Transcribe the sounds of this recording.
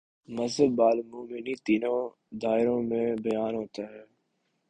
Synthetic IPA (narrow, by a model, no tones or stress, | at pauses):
məzəbːaːlmuːmɪnit̪iːnõː | d̪aːɪɾõːmẽbəjaːnɦoːt̪aːɦɛː